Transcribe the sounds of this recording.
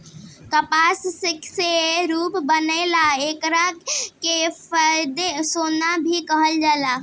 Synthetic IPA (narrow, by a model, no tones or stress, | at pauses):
kəpassɪkseɾuːpbənəɪlaeːkɾakepəd̪esoːnabʱikəɦəld͡ʒala